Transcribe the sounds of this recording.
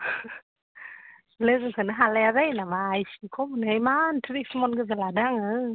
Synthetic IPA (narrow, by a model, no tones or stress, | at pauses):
lɯkkʰɯnaɦalɛzəjnamajsikʰomnəjmant̪ʰɾifmonɡɯzaladaŋə